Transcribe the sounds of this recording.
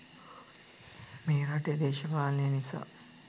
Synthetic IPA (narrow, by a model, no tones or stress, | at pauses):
meːɾɐʈed̪eːʃɐpaːlneɐnisa̰